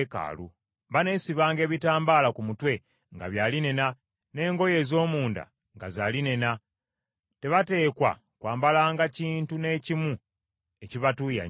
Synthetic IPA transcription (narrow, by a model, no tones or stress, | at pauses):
ka̰ːlu | βane̞ːsiβaːŋɡe̞ːβitaːmbaːlakumutwe̞ | ŋɡa̰βjaːline̞na | ne̞ːŋɡo̞je̞ːzo̞ːmuːnda̰ | ŋɡazaline̞na | te̞βate̞ːkwa̰ | kwaːmbalaːŋɡaciːntune̞ːcimu | e̞ciβatuja̰